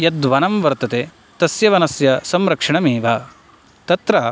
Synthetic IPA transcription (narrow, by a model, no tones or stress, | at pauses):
jɐd̪ʋɐnɐmʋɐɾt̪ɐt̪eː | t̪ɐsjɐʋɐnɐsjɐsɐmɾɐkʂɐɳɐmiːʋaː | t̪ɐt̪ɾa